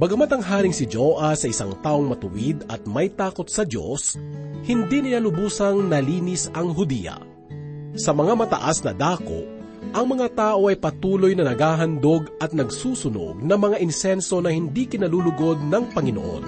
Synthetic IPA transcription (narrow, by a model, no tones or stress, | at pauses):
bɐɡɐmat̪ɐŋɦaːɾɪŋsɪd͡ʒoːʔɐsɐʔɪsa̰ŋt̪aːʔo̞ŋmɐt̪ʊwid̪ɐt̪̚mɐjt̪aːko̞t̪̚sɐdo̞̰shɪnd̪inɪjalʊbuːsɐŋnɐliːnɪsɐŋɦʊd̪ḭjɐ̰ | sɐmɐŋamɐt̪ɐ̰ʔasnɐd̪aːko̞̰ | ʔɐŋmɐŋat̪aːʔo̞ʔɐjpɐt̪uːlojnɐnɐɡaːɦɐnd̪oɡɐt̪̚nɐɡsuːsʊno̰ɡ̚nɐmɐŋaʔɪnsɛnso̞nɐhɪnd̪ikɪnɐlulʊɡo̞d̪̚nɐŋpɐŋɪnoʔo̰n